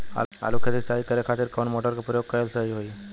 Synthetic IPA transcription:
a̰a̰lukʰet̪isaikəɾekʰat̪iɾkəɳmoʈəɾkepɾəjoɡ̚kəɾelsəɦiɦoi

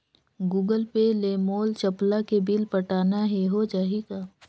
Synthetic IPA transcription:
ɡuːɡəlpeleːmoːlt͡ʃɐplakebilpɐʈaːnaɦeɦod͡ʒaːɦiɡaː

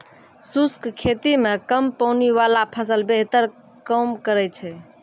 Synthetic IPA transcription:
suskkʰet̪imekəmpəwniʋalapʰəsəlbeɦt̪əɾ | kəmkəɾɛt͡ʃʰɛ

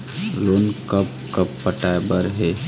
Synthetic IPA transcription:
loːnkəpkəpːəʈabəɾɦe

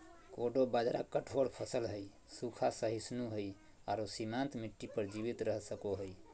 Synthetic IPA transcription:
koɖobad͡ʒɾakəʈʰoɽpʰəsəlɦəj | sukʰasəɦisnuɦəj | aɾosimant̪miʈːipəɾd͡ʒiβit̪ɾəɦsəkoɦəj

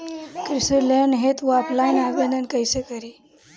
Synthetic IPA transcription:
kɾisulenɦet̪ʋapʰlajnaɡənənkajsekəɾi

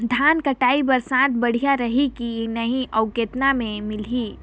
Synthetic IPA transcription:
d̪ʱaːnkəʈaːibəɾsãːt̪̚ʰbɐɽ̤ijaɾəɦikinəɦĩʔɐʊkeːt̪namẽmɪliː

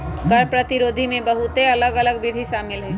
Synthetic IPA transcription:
kəɾpɾət̪ɪɾoːd̪ʱimẽbəɦut̪eɐləɡɐləɡbɪd̪ʱiʃaːmɪlɦɛː

